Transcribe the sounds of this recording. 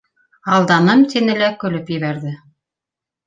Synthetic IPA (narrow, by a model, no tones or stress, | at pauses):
ɑlˠd̪ɑnɤmt̪ĕnɘ̆lækɵ̆lɵpjɘ̆βæɾðɘ